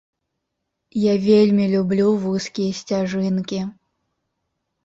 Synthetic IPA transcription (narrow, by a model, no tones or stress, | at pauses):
javʲelʲmʲilʲublʲuvuskʲijɐsʲt͡sʲaʐɨnkʲi